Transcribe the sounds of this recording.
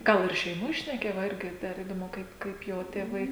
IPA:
ˈɡɐlˠ ɪr ʃʲɛɪˈmoːj ʃʲnʲɛˈkʲeːjɛ ʋɐ ˈɪrʲɡʲɪ dɐr iːdoːˈmʊ ˈkɐɪp ˈkɐɪp ˈjoː tʲeːˈʋɐɪ

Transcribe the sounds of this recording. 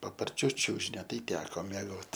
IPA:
pɐpɐrʲˈt͡ʃʲʊ ˈt͡ʃʲʊʒʲɪnʲoː ˈtɐɪ ˈtʲæːkoː mʲiɛˈɡoːt

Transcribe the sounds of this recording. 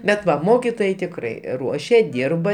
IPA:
bʲɛt ˈʋɐ ˈmoːkʲɪtoːjɛɪ tʲɪkˈrɐɪ ˈruɔʃʲɛ ˈdʲiːrbɐ

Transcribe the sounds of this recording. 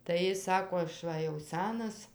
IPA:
tɐɪ ˈjɪs ˈsɑːkoː ɐʃ ˈʋɐ jɛʊ ˈsʲænɐs

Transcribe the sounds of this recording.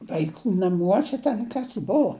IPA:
ʋɐɪˈkuː nɐˈmuɔsʲɛ tʲɛn ˈkɐs jɪ ˈbʊʋoː

